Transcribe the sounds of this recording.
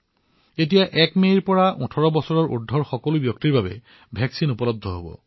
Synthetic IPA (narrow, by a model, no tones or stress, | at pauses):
et̬ijaʔɛkmejɹpɔɹaʔutʰɔɹɔbɔsɔɹɔɹʔṵdʱːɔɹxɔkɔlubjɔk̚tiɹbabɛ̰ | bʱɛksinupɔlɔb̚d̪ʱɔɦo̰bɔ̰